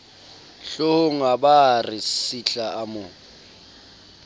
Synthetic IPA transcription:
ɬoʊŋaɓarɪsiɬaamʊ

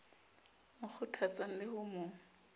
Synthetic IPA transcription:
mʊk͡xʰʊtʰat͡saŋ̩lɪhʊːmo

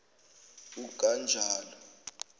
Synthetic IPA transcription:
uɡ̥ʱand͡ʒʱaːlɔ

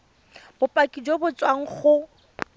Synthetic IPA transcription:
bʊpʼakʼid͡ʒwobʊt͡sʼwaŋ̩χʊ

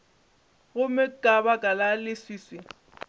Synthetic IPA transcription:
ɣʊmɪkʼabakʼalalɪsiːsɪ

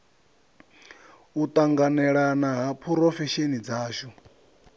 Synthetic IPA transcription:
ut̪ʼaŋɡanɛɺanaɦapʰuɾɔfɛʃenid͡zaːʃɔ

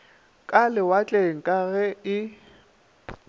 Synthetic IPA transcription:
kʼalɪwat͡ɬʼeŋ̩kʼaɣɛɪ

